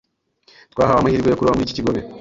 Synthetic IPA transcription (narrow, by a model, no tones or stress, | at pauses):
t̪waːɦaβamahiɾiɡwejokuɾuβamuici̥ciɡo̞βe